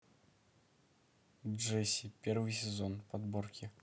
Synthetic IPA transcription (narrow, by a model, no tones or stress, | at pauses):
ʐɛsʲipʲɛrvɨsʲɛzɔnpad̪bɔrkʲʰi